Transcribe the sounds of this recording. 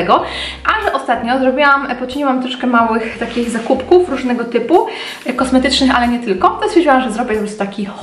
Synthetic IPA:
ɛɡɔ | ʔad̪ɛʔɔst̪at̪ɲɔzɾɔbʲiwampɔt͡ʂɘɲiwamt̪ɾɔʂkɛmawɘxt̪akʲiɣzakupkufɾuʐnɛɡɔt̪ɘpu | kɔsmɛt̪ɘt͡ʂnɘxalɛɲɛt̪ɘlkɔt̪ɔsʲjɛɾd͡ʑawamʐɛzɾɔbʲjɛt̪ɔpɾst̪akʲi

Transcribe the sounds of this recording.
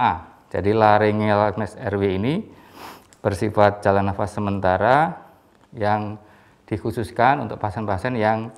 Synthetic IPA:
ʔa | d͡ʒa̰dilaɾɪŋɛlak̚nɛsɛrweini | b̥ərsifat̪̚d͡ʒalanafasːəmənt̪aɾa | jaŋ | d̥ikususkanṵnt̪ʊk̚paɦasɛnpaasɛnjaŋ

